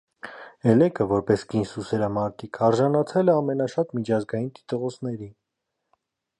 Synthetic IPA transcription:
ɛlɛkʰəvɔɾpɛskinsusɛɾɑmɑɾt̪ʰikʰɑɾʒɑnɑt͡sʰɛlɛɑmɛnɑʃɑt̪mit͡ʃʰɑzɡɑjint̪i̥t̪əʁɔt͡sʰnɛɾi

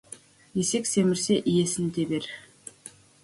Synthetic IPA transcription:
jeseksemɪɾseʔijesɪ̆nd̪ebeɾ

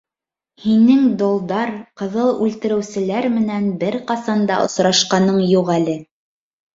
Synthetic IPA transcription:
hinɘŋd̪olˠd̪ɑɾqɤ̆ðɤlˠʉlt̪ɘ̆ɾɘ̆wsɘ̆læɾmɘ̆nænbɘɾqɑsɑnd̪ɑ̰ʔŏ̰sɾɑʃqɑnɤɴjuʁælɘ

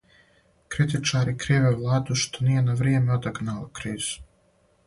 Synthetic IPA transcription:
kɾit̪it͡ʃaːɾikɾiʋeːʋlˠaːd̪uʃt̪onijɛnaʋɾiɛmeod̪aɡnaːlokɾiːz̥u̥

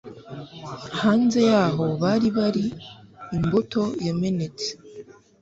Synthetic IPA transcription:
haːnze̞jaːɦo̞βaɾiβaɾiː | mbotʰo̞jeme̞ne̞t͡se̥

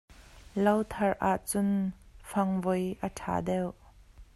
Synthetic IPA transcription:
lɐwt̪ʰɐrʔaʔt͡sʊnfɐŋvɔjʔətʰa̰ːdɛw

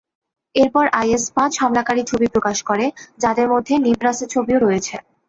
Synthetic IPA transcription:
eɾpɔɾʔajespãt͡ɕʃɔmlakaɾit͡ɕʰobipɾokaʃkoɾed͡ʑad̪eɾmod̪ʱːenibɾaset͡ɕʰobioɾojet͡ɕʰe

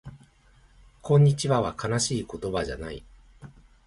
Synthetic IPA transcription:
kʰõ̞ɲ̟ːit͡ɕiβaβakanaɕiːko̞t̪o̞baʑa̰naḭ

